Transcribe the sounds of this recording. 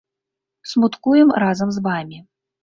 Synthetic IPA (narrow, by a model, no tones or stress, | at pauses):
smut̪kujɛmɾazɐmzvamʲi